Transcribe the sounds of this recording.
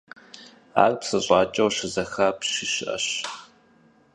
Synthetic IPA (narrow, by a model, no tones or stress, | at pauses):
a̰ːrpsɨɕʼɑːt͡ʃʼɐwɕɪzɐxaːpɕɪɕɪʔɐ̰ɕ